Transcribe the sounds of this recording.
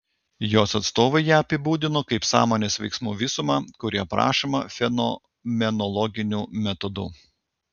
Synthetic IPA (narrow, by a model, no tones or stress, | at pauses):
joːsɐt̪st̪oːʋɐɪjæːɐpʲɪbuːd̪ʲɪnoːkɐɪpsɑ̰ːmoːnʲeːsʋʲɛɪksmṵːʋʲɪsʊmɑːkʊɾʲiɛpɾɑ̰ːʃɐmɐfʲɛnɔ | mʲɛnɔlˠɔɡʲɪnʲuːmʲɛt̪ɔd̪ṵ